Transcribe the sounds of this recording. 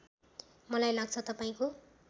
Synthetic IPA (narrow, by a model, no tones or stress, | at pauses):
mʌlajlaɡ̚t͡sʰʌt̪ʌpaĩko